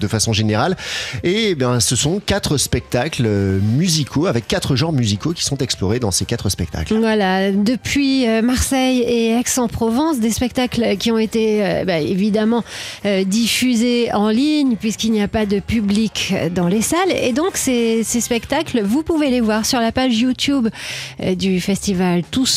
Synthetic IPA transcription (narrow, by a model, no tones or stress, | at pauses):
d̪əfasɔ̃ʒeneʁalebɛ̃səsɔ̃kʲat̪χəspɛk̚t̪aklømyzikʰoavɛkːat̪χəʒɑ̃ʁmyzikokʲi̥sɔ̃t̪ɛksplɔʁed̪ɑ̃sekat̪χəspɛk̚t̪a̰klvwalad̪əpɥiømaʁsɛjeaksɑ̃pχɔvɑ̃s̬d̪espɛk̚t̪aklkʲiɔ̃et̪eøbaevid̪amɑ̃ød̪ifyzeɑ̃liɲpɥiskilniapad̪əpyblikd̪ɑ̃lesalḛd̪ɔ̃ksesespɛkt̪aklvupuvelevwaʁsyʁlapaʒjut̪ubd̪yfɛst̪ivalt̪us